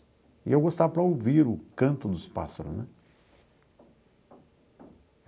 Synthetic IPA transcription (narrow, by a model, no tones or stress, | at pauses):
ɪ̰ewɡost̪avɐpɾɐowviɾʊkɐ̃nt̪ʊd̪ʊspa̰sɐɾʊ̰znɛ